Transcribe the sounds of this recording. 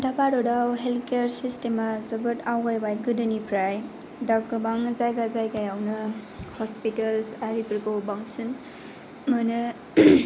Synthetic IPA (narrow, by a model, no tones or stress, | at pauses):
dapaɾɔdawɦelkeɾsistemazɯbɯtawɡajbajɡɯdɯnipʰɾaj | dakɯbaŋzajɡazajɡajawnɯ | hɔspitəlsaɾipɾkobaŋsɯn | mɯnɯ